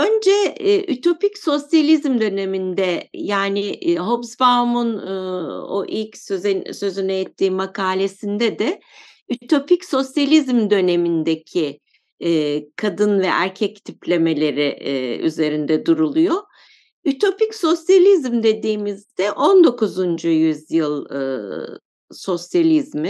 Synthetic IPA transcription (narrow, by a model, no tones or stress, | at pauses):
ø̞nd͡ʒɛyt̪ʰo̞picso̞sjalʲizmd̪ø̞ne̞mind̪ɛjaːnɪʔɦobsbamunː | o̰ʔilʲcsøzɛsø̞zynɛɛt̪ʰːiːmakʰaːlʲe̞sind̪ɛd̪ɛ | yt̪ʰo̞picso̞sjalʲizmd̪ø̞ne̞mind̪ecʰi | kʰad̪ɯnvɛʔæɾcʰɛc̚t̪ʰiplʲe̞me̞lʲe̞ɾɪy̰ze̞ɾind̪ɛd̪uɾulˠujo | yt̪ʰo̞picso̞sjalʲizmd̪e̞d̪iːmizd̪ɛʔond̪o̞kuzund͡ʒujyzjɯlˠɯ | so̞sjalʲizmi